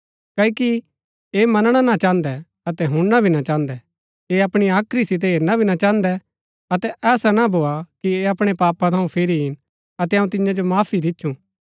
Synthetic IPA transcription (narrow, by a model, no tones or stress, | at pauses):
kɐːiki | emɐnɽ̃anat͡ʃãːnd̪ɛ | ɐt̪ɛɦʊ̃ɽːabʱinat͡ʃãːnd̪ɛ | eɐpɽ̃iaːkʰɾisɪt̪̬ɛɦeːɾnabʱinat͡ʃãːnd̪ɛ | ɐt̪ɛʔɛːsanabʱoːakieɐpɽ̃epaːpat̪ʰaũpʰeɾiɦɪn | ɐt̪ɛɐũt̪ɪ̃ãd͡ʒomaːpʰid̪ɪtːʃʰũ